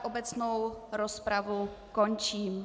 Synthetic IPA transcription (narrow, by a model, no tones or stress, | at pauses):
ʔobɛt͡snowɾospɾavukont͡ʃiːm